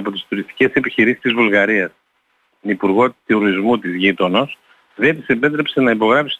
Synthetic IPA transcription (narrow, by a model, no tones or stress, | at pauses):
po̞t̪ist̪uɾist̪i̥ce̞se̞piçiɾisi̥st̪izvulɣɐɾiɐs | t̪onipuɾɣo̞t̪iuɾizmut̪izʝit̪o̞no̞s | ðet̪isepe̞t̪ɾe̞psenɐipo̞ɣɾɐpsi̥